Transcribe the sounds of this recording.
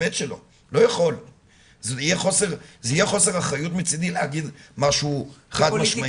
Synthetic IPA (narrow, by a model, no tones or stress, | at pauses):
et̪ʃelo̞ | lo̞jaχo̞l | zijeχo̞seʁzeijeχo̞se̞ʁaχajut̪mit͡sid̪ilehaɡid̪maʃuueχad̪maʃma